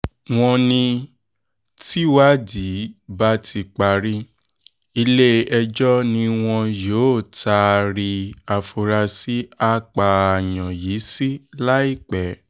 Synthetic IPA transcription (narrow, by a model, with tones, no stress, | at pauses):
w̃ɔ̃˧nĩ˧ | ti˦wa˦di˨˦ba˦tʰi˧k͡pa˧ɾi˦ | i˧le˦ɛ˧d͡ʒɔ˦nĩ˧w̃ɔ̃˧joː˨˦˨ta˧ɾi˧a˧fo˧ɾa˧si˦a˦k͡pa˨a˨jɔ̃˨ji˨˦si˦la˦i˦˨k͡pɛ˨˦